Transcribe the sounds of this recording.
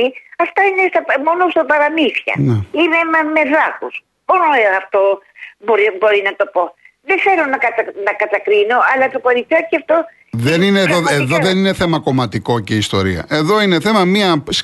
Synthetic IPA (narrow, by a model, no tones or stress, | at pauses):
iɐft̪ɐinest̪ɐmo̞nost̪ɐpɐɾɐmiθçɐ̰neimemɐme̞ðɐkus | b̥oɾoɐft̪o̞boɾibo̞ɾinɐt̪o̞po̞ | ðeθe̞ɾonɐkɐt̪ɐnɐkɐt̪ɐkɾino̞ʔɐlɐt̪oko̞ɾifçoceɐft̪o̞ | ðenineðoeðoðenine̞θe̞mɐko̞mɐt̪iko̞ceist̪o̞ɾḭɐ̰ʔe̞ðo̞ine̞θe̞mɐmiɐs